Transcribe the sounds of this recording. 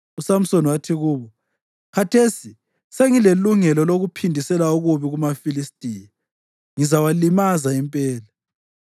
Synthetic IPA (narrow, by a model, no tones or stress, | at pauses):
usam̩sonwatʰiɣuːβɔ | kʰatʰesi | seŋileluŋɛlɔloɣupʰindʱisɛlauɣuβiɣumafilistʼiːja | ŋizawalimazaimpʼɛːla